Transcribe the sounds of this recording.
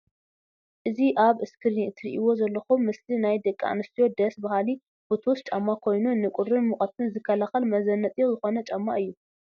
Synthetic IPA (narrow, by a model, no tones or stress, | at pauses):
ʔɨziʔaβɨskʰɨɾniɨnt̪ʰɨɾḭʔiwo̞zɐlːɐxumːɨslinajd̪ɐkʼːa̰nɨst̪ʰijo̞d̪ɐsbahali | bot̪ʰwst͡ʃʼamːakʰo̞jnunɨkʼʊɾɨnmuχʼɐt̪ʰɨnzɨkʰːɐlaxɐlmɐzɐnːɐt̪ʼijozɨxo̞nɐt͡ʃʼɐmːaʔɨjːu